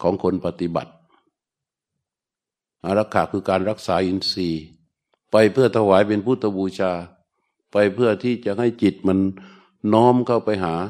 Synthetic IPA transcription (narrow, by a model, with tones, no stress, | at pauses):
kʰɔː˨˩˦ŋkʰo˧npa˧t̪i˧˦ba̰˨˩t̪̚ | ʔa˧˩ɾa˧˩kʰːaː˧˩kʰɯː˧kaː˧nɾa˧˩k̚saː˨˦ʔi˧nsiː˧˩ | pa˧jpʰɯ˥˩ɐt̪ʰa˧waː˨˦jpe˧npʰuː˧˩t̪ʰːa˧buː˧t͡ɕʰaː˧ | pa˧jpʰɯ˥˧˩ɐt̪ʰiː˧˩t͡ɕa˧ʔha˥˩jt͡ɕi˨˩t̪̚ma˧˥n | nɔː˦˥mkʰa˧˩wpa˧jɦaː˩˦